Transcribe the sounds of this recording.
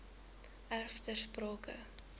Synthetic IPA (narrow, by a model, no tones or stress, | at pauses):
ærftərsprɑːkə̰